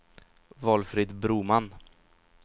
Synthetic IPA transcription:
vɔːlfɾɪd̪bɾuːman

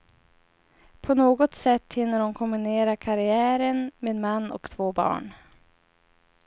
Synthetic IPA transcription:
pʰɔnoːɡɔt̪sɛt̪ːhɪnːəɾʊnkʰʊmbɪneːɾakʰaɾɪæːɾənmeːd̪manːɔ̰kt̪ʰvoːbɑ̰ːɳ

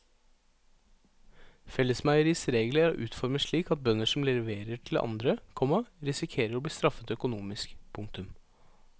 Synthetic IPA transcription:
fɛlːəsmæɪəɾiːsɾeːɡləæɾo̰ːʔʉːt̪fɔɾməʂɭiːkɑt̪̚bœnəʂɔmlɛʋeːɾəʈʰl̩ʔɑ̰nd̪ɾəkʰɔmːəɾɪsɪkʰeːɾəɾoːbliːst̪ɾɑfət̪œkʊnuːmɪskpʰʊŋt̪ʉm

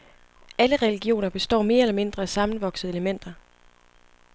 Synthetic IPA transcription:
æləʁɛliɡ̥jo̝̰ːnɐb̥e̝sd̥ɒ̰ːme̝̰ːɐelɐme̝nd̥ʁɐæsɑ̈mn̩ʋɒ̽ɡ̥səð̩ˠe̝ləmen̰d̥ɐ

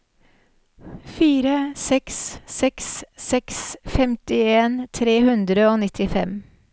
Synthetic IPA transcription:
fiːɾəsɛkssɛkssɛksfɛmt̪ɪeːnt̪ʰɾeːhʉnd̪ɾəoːnɪt̪ʰɪfɛm

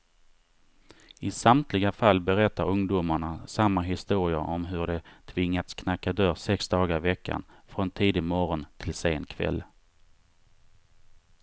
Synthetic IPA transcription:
ɪsamt̪ʰlɪɡafalːbɛɾɛt̪ːaɾɵŋd̪ʊmaɳasamːaɦɪst̪uːɾɪaʔɔmɦɵɖɛt̪ʰvɪŋːat̪skʰnakːad̪œɾsɛksd̪ɑːɡaɾɪvɛkʰːa̰nfɾɔnt̪ʰiːd̪ɪmɔɾɔnt̪ʰɪlseːnkʰvɛ̰lː

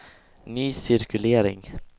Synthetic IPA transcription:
nyːsɪɾkʉleːɾɪ̰ŋ

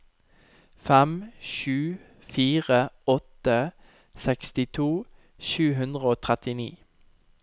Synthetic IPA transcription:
fɛmʃʉː | fiːʁəɔt̪ə | sɛkst̪ɪt̪ʰuː | ʃʉːɦʉnd̪ʁəoːt̪ʰʁɛt̪ɪnḭː

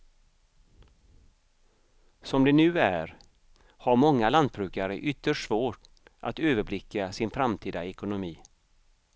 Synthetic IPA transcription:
sɔmd̪ɛnʉ̟ːæ̰ɾ | haɾmɔŋːaland̪̚bɾʉ̟ːkaɾə̰ʔʏt̪ːəʂvoːʈ | ʔa̰t̪øːvəblɪkʰːasɪnfɾamt̪ʰiːd̪aɛkʊnʊmiː

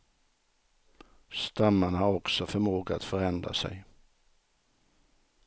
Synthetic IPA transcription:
st̪amːanhaɾɔksɔfœɾmoːɡaat̪fœɾɛnd̪ɾa̰sɛ̰j

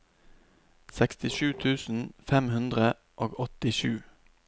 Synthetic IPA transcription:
sɛkst̪ɪʃʉːt̪ʰʉːsn̩fɛmhʉnd̪ʁə | ʔoːɡɔt̪ɪʃʉː

